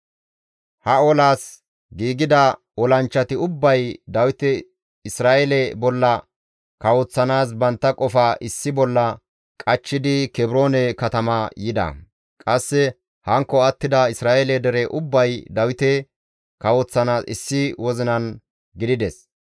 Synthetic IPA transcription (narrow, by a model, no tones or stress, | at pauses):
hɐoːlaːs | ɡiːɡɪd̪ɐ | ɔlɐnt͡ʃːɐt̪ɪʊbːɐjd̪ɐwɪt̪ɛ | ɪsɾaːelɛbɔlːɐ | kɐwɔt͡sːɐnaːs̬bɐnt̪ːɐkʼɔfaːʔɪsːɪbɔlːɐ | kʼɐt͡ʃːɪd̪ɪkɛbɾoːnɛkɐt̪ɐmɐjɪd̪ɐ̰ | kʼɐsːɛ | hɐŋkːɔɐt̪ːɪd̪ɐɪsɾaːʔelɛd̪ɛɾɛʔʊbːɐjd̪ɐwɪt̪ɛ | kɐwɔt͡sːɐnaːsɪ̰sːɪwɔzɪnɐn | ɡɪd̪ɪd̪ɛs